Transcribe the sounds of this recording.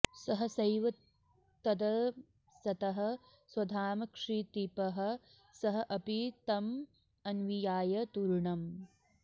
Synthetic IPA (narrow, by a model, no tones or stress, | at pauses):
sɐɦɐsɐjʋɐt̪ː | ɐd̪ɐ | sɐt̪ɐɦɐ̆ | swɐd̪ʱaːmɐkʂiːt̪ipɐɦɐ̆ | sɐɦɐ̆ʔɐpit̪ɐm | ɐnʋijaːjɐt̪uɾɳɐm